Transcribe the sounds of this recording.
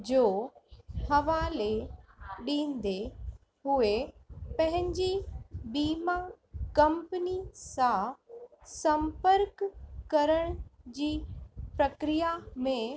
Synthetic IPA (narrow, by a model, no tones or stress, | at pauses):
d͡ʑoː | hɐʋaːle | ɗĩːnd̪e | ɦʊepɐ̃ɦɪ̃ɲd͡ʑibiːma | kɐ̃mpənisã | sɐ̃mpəɾkkːɐɾəɽ̃d͡ʑiːpɾɐkɾijamẽ